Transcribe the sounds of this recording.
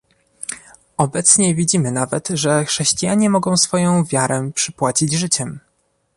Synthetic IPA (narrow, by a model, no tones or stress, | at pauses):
ɔbɛt̪sɲɛvʲid͡ʑimɘnavɛt̪ʐɛxʂɛɕt͡ɕijaɲɛmɔɡɔ̃w̃sfɔjɔ̃w̃vʲjaɾɛpʂɘpwat͡ɕid͡ʑʐɘt͡ɕɛm